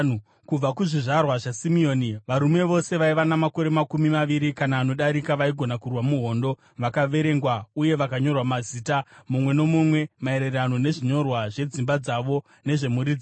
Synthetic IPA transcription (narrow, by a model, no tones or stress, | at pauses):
kub͡vakuʐiʐarwaʐasimio̞niʋaɾume̞ʋo̞se̞ʋaiʋanamako̞ɾe̞makumimaʋiɾikanaːno̞ɗaɾikaʋaiɡʱo̞nakurwamuɦo̞ːndo̞ | ʋakaʋe̞ɾe̞ŋɡwauje̞ʋakaɲo̞rwamaziːtamumwe̞nomumwe̞mae̞ɾerano̞ne̞ʐiɲo̞rwaʐe̞d͡zimbad͡zaʋo̞ | ne̞ʐe̞muɾid͡zi